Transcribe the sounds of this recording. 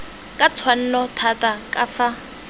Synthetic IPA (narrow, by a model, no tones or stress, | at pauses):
kʼat͡sʰwan̩nɔtʰatʼakʼafa